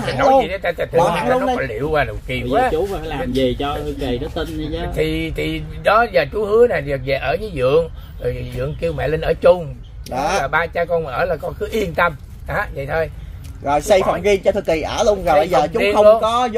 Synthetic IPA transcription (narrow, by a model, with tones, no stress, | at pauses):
mi˨˩nːɔ˨˦ji˨˩tə˨˦t̪aː˧˩t̪a˨˩t̪ʰɨ˨a˨˦ŋla˨˧n˦˧kɔ˧˦lḭ˧˨əwwaː˧˩ɗa˨˩wki˨˩˨waː˦˨˦u˨˦˨faː˨˦laː˨˩mzi˨˩t͡ɕɔ˧t̪ʰɨ˧˩ki˨˩nɔ˨˦t̪i˧n˧˦t̪ʰi˨˩t̪ʰi˨˩ɗɔ˨˦zaː˨˩t͡ɕu˨˦hɨ˨˦ənaː˨˩za˨˩vɛ˨˩ʔəː˧˩zəː˨˦zɨ̰˧˨əŋzo˨˩jzɨ̰˧˨əŋki˧əwmɛ̰˧˨li˧n̟ʔəː˧˩t͡ɕʊ˧ŋ͡m | aː˨˩ɓaː˧t͡ɕaː˧kɔ˧n˨ʔəː˧˩laː˨˩kɔ˧xɨ˨˦ʔi˧ənt̪ə˧m | ʔaː˨˩˥və̰˧˨jt̪ʰo˧jzo˨˩jsa˧jfa˨˩wŋ͡mɣi˧nt͡ɕɔ˧t̪ʰɨ˨˩k̚i˨˩ʔəː˧˩lʊ˧ŋ͡mzo˨˩zːt͡ɕʊ˨˦i˧əŋ͡mxə˧o˧ŋ͡mkɔ˨˦z